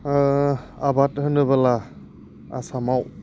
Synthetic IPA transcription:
abathɯnɯbala | a̰samaw

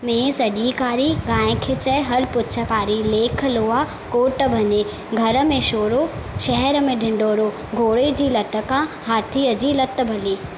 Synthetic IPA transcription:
mẽːsɐd̪ʱiːkaːɾiɡãːj̃kʰet͡ɕɛɦɐɾpʊtːt͡ɕʰəkaːɾileːkʰə̆loːa | koːʈbʱɐɲe | ɡʱɐɾəmẽʃoːɾoʃɛɦɛɾəmẽɖʱɪ̃ɳɖoːɾoː | ɡʱoːɽed͡ʑiːlɐt̪ə̆kãhaːt̪ʰiəd͡ʑilɐt̪ə̆bʱɐliː

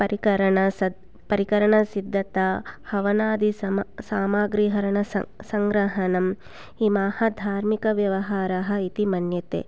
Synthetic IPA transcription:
pɐɾikɐɾɐɳɐsɐ | pɐɾikɐɾɐɳɐsid̪ʱːɐt̪ahɐʋɐnaːd̪ʱisaːmaːɡɾiːɦɐɾɐɳɐsɐŋɡɾɐɦɐnɐm | imaːhɐd̪ʱaːɾmikɐʋjɐʋɐɦaːɾɐɦɐ̆it̪imɐnjɐt̪ḛː

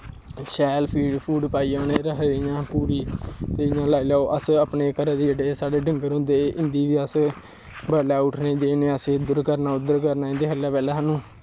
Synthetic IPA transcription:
ʃɛːlpʰiːɖpʰuːɖpaːiːãːneːɾəɦjãːpuːɾiːt̪ejãːlaːiːlaːoːʔəsəpneːkəɾãːd̪eːd͡ʒəɖeːsaːɖeːɖɪŋɡəɾɦʊ̃ːnd̪eːɪnd̪iːʋiːəs | bəɾlaːʊʈʰneːd͡ʒenẽːəseːd̪ʊɾkəɾnaːʊd̪əɾkəɾnaːɪ̃nd̪eːɦəlaːpɛːlaːɦanũː

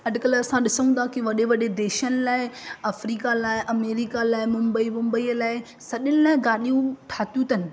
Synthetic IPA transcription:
ɐdkəlɐsãɗɪsəũnd̪akiʋɐɗeʋɐɗed̪eːʃənɪ̆laːɪɐfɾiːkalaːɪʔɐmeːɾikalaːɪmʊ̃mbəimʊ̃mbəiːəlaːɪ | sɐɗɪnɪlaːɪɡaːɗijũʈʰaːt̪jũt̪ʰɐnɪ̆

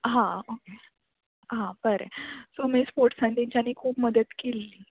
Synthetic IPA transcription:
ɦãoke | ɦãbəɾḛsomespoɾʈsãnt̪iɲt͡ɕaniːkʰuːpməd̪ət̪kelːiː

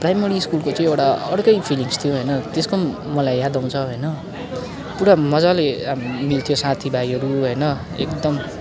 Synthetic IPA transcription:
prajmʌɾiːskulkot͡saĩewʈaʌɽkʌjpʰiliŋst̪ʰijoɦʌjnʌt̪eskomːʌlajːad̪aw̃t͡sʰʌɦʌjnʌ | puɾamʌd͡zalemilt̪ʰijosat̪ʰibaiʌɾuɦʌjnʌ | ḛkd̪ʌm

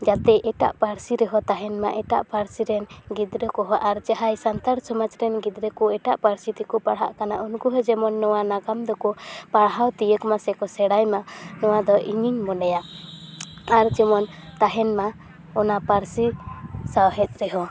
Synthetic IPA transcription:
d͡ʒat̪ɛʔɛʈa̰ʔpaɾsiɾɛɦɔt̪aɦɛnma̰ʔɛʈa̰ʔpaɾsiɾɛnɡid̪ɾəkɔɦɔʔaɾt͡ʃaɦajsant̪aɾsɔmat͡ʃɾɛnɡid̪ɾəkɔɛʈaʔpaɾsit̪ikɔpaɽɦa̰ʔkanaʔunkuɦɛd͡ʒɛmɔnːɔwanaɡamd̪ɔkɔpaɽɦawt̪ijəkmasɛkɔsɛɽajmanɔwad̪ɔʔiɲiɲmɔnɛja | aɾd͡ʒɛmɔn | t̪aɦɛnma | ɔnapaɾsisawɦɛt̪̚ɾɛɦɔ

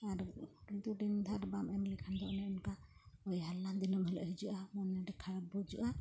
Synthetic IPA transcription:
aɾɾint̪uɖind̪ʱaɾbamɛmlikʰand̪ɔʔnɛɔnkaɔjɦalːand̪inɔmɦɛlɔ̰ɦid͡ʒuʔamɔnɛɖɛkʰaɽabɔd͡ʒṵʔa

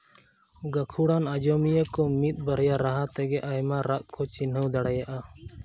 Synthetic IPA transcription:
ɡakʰuɽanad͡ʒɔmijəkɔmit̪̚ˀbəɾjaɾaɦat̪ɛɡɛʔajmaɾaʔkʰɔt͡ʃinɦəwd̪aɽajaʔa

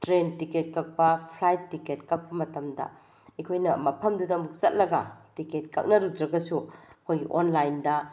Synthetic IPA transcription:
tɾentiket̚kɐk̚pɐpʰlajttːiket̚kɐk̚pɐmɐtɐmdɐ̰ | ɐkʰojnɐmɐpʰɐmdudɐmuk̚sɐt̚lɐɡɐ̰tiket̚kɐ̰k̚nɐɾudɾɐɡɐsuɐkʰojɡiʔonlajndɐ

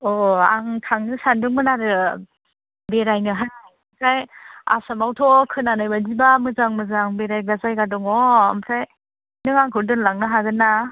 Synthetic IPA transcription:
ɔa̰ŋtʰaŋnɯsandɯŋmɯnaɾɯ | beɾajnɯɦaj | mkʰaja̰samawtʰɔkʰɯnanɯjbadibamɯzaŋmɯzaŋbeɾajɡazajɡadɔŋɔa̰mkʰaj | nɯŋaŋkʰɯɾdɯnlaŋnɯɦaɡɯnːa

